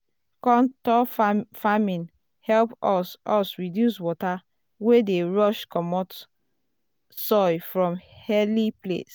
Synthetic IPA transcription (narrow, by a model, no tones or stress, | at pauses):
kɔ̃ntɔfamĩn | hɛlpɔsɔsɹidjuswɔta | wedeɹɔʃkɔmɔt | sɔɪfɹɔ̃mhɛliplḛs